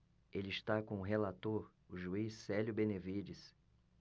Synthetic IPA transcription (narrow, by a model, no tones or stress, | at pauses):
elɪiʃt̪akõʊɦelat̪oɾ | ʊʒuisːɛljʊbenevid͡ʒɪs